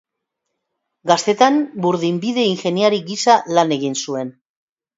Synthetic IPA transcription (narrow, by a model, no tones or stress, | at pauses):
ɡast̪e̞t̪anbuɾðimbiðe̞inxe̞niaɾiɡisalane̞ɣ̞insue̞n